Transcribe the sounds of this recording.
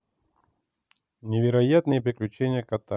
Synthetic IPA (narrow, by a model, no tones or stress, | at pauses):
nʲɪvʲɪɾɐjat̪nɨjəpɾʲɪklʲʉt͡ɕenʲɪjəkɐt̪a